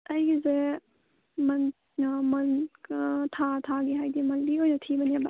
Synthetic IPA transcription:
ɐjɡize | mɐn | mɐn | t̪ʰat̪ʰaɡiɦajd̪imɐnbiojnɐt̪ʰibɐnijaba

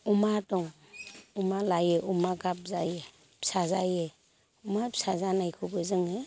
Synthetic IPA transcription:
umadɔŋ | umalajeʔumaɡap̚zaje | sazaje | umapsazanajkʰubɯzɯŋe

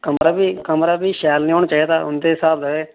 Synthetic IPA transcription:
kəmɾaːbiːkəmɾaːbiːʃɛːlnĩːoːñaːt͡ʃaːid̪aːʊ̰nd̪eːɦɪsaːbləɡeː

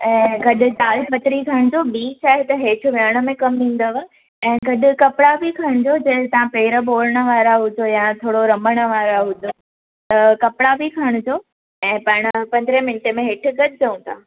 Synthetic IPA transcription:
ɛ̃ːɡɐɗʊ̆t͡ɕaːlpɐt̪ɾikʰaəɽ̃d͡ʑobiːt͡ɕaːɦet̪ɐɦeːʈʰʊ̆ʋjaːɽ̃ə̆mẽkɐmnĩːn̆d̪əʋ | ɛ̃ːɡɐɗʊ̆kɐpɪɽabikʰaɽ̃d͡ʑod͡ʑɐɦt̪ɐʋãpeːɾəboːɾəɽ̃ə̆ʋaːɾaɦʊd͡ʑojat̪ʰoːɽoɾɐməɽ̃ə̆ʋaːɾaɦʊd͡ʑo | t̪ɐkɐpɽabikʰəɽ̃ʊd͡ʑoː | ɛ̃ːpɐɽ̃əpɐ̃nd̪ɾẽmɪnʈemẽɦɪʈʰʊ̆ɡɐd̪d͡ʑɐũːt̪ʰaː

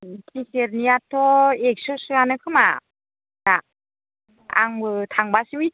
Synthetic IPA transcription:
tʰiseɾniatʰɔek̚sɯsɯanɯkʰɯma̰ | na | a̰ŋbɯtʰaŋbasiwi

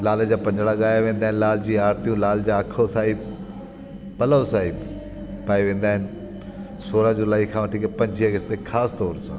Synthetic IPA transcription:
laːləd͡ʑaːpɐ̃ɲd͡ʑɽaɠaːjaʋẽːnd̪aːɦɪnɪlaːl̤d͡ʑiːaːɾt̪ijũlaːld͡ʑaɐkʰosaːib | pɐləsaːib | paːiʋẽːn̆d̪aːɦɪnɪ̆ | soːɾəd͡ʑʊlaːikʰãʋɐʈʰiːkpɐ̃ɲd͡ʑʱiɐɡɪst̪exʰaːst̪ɔːɾsã̰ː

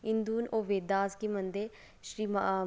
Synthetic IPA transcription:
ɪnd̪uːnoːʋeːd̪aːzkimənd̪eː | ʃɾiːma

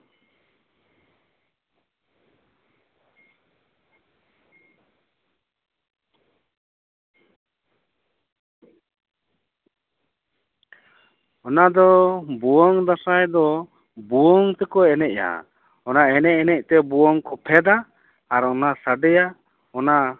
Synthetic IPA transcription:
ɔnad̪ɔbuwɔŋd̪asajd̪ɔ | buɔŋt̪ɛkɔɛnɛʔja̰ | ɔnaɛnɛʔɛnɛc̚ˀt̪ɛbuwɔŋkɔpʰɛd̪aː | ɾɔnasaɖɛja | ɔna

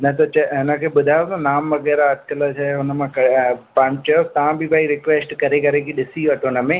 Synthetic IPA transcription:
nɐt̪ɐt͡ʃɐɦɪnəkʰeːɓʊd̪ʱaːjot̪ɐnaːmʋɐɡɛːɾaɐd̪̚kɐlat͡ʃaɦʊnəmãkɐpamt͡ɕɐjot̪ɐʋãbʱɪbʱaːiɾɪkʋeːsʈkɐɾekɐɾekʰiɗɪsiʋɐʈʰonəmẽː

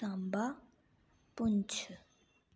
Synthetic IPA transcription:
amba | punt͡ɕʰə

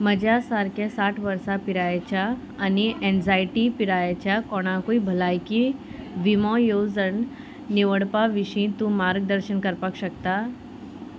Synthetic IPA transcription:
məd͡ʒasaːɾkesaːʈʰʋɐɾsapɪɾaːet͡ʃʰa | ɐniʔɛ̃ːnzaːɪʈipɪɾaːjet͡ʃʰakɔːñakoibʱɐlaːjki | ʋimõːjoːzən | niʋəɽpaʋɪʃĩt̪ũmaːɾɡ̚d̪əɾʃənkəɾpəkʃɐk̚t̪aː

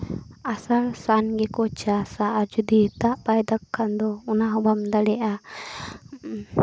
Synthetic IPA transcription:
asalsanɡɛkɔt͡ʃasaʔad͡ʒɔd̪it̪aʔbajd̪akʰːand̪ɔunaɦɔbamd̪alɛʔa

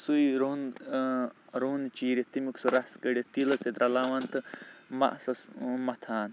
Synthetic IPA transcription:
sujɾon | ɾoːnt͡ʃiːɾet̪imuksuɾɐskɐɽʲit̪ilɐset̪ɾɐlaːʋɐnt̪ɨmɐ̰ʔsɐsmɐt̪ʰaːn

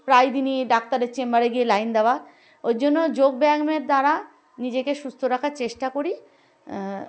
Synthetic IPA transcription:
pɾajd̪iniɖak̚t̪aɾeɾt͡ɕembaɾeɡielajnd̪eoa | ojd͡ʑonːod͡ʑoɡbɛɡmeɾd̪aɾa | nid͡ʑekeʃust̪ʰoɾakʰaɾt͡ɕeʃʈakoɾi

